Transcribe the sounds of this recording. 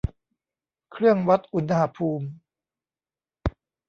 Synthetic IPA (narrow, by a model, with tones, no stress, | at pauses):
kʰɾɯ˥˩əŋwa˦˥t̪̚ʔu˧˥nha˧pʰuː˧m